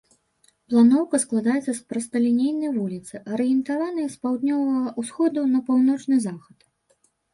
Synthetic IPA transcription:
plˠanɔwkɐsklˠad̪ajɛt̪sɐspɾɐst̪ɐlʲinʲejnɐjvulʲit̪sɨʔɐɾɨjɛnt̪avanɨjɛspawd̪nʲɔvɐɣɐusxɔd̪unɐpawnɔt͡ʂnɨzaxɐt̪

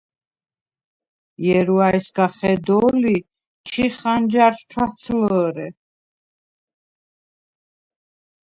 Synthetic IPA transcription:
jɛɾuaɛsɡaχɛd̪ɔːli | t͡ʃʰiχand͡ʒaɾʃt͡ʃʰwat̪sʰləɾɛ

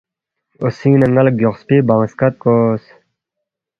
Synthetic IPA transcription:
osiːnɐŋɡɐlk̚ɡoʁspibaŋskɐt̪̚koːs

